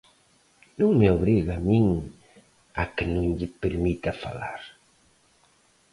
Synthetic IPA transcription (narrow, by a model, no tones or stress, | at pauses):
nõŋmeoβɾiɣamiŋ | a̰kenõŋʎipeɾmit̪afa̰la̰ɾ